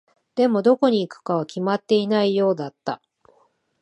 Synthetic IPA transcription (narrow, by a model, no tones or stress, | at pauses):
d̪̥e̞mo̞d̪o̞ko̞ɲ̟iːkɯ̥kaβakʲimat̪ːe̞inaijo̞ːd̪at̪ːa